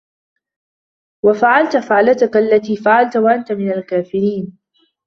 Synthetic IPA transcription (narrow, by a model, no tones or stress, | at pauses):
wafaʕalt̪ʊfaʕlat̪akaalːat̪iːfaʕalt̪waʔant̪amɪnalkaːfɪɾiːn